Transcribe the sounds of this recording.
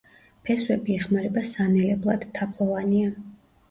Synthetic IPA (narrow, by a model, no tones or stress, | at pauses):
pʰɛswɛbiɛχmaɾɛbasanɛlɛblˠad̪̥t̪ʰːapʰlˠɔvania